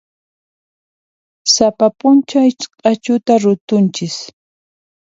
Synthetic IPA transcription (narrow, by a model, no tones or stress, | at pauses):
sapapʊnt͡ʃaɪt͡ʃqʼɑt͡ʃʊt̪aɾʊt̪ʊnt͡ʃɪs